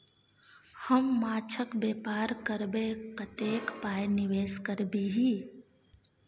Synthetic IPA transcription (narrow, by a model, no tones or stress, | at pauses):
həmːaːt͡ʃʰəkbeːpaːɾkəɾbekət̪eːkpaːjnɪʋeːskəɾbiɦiː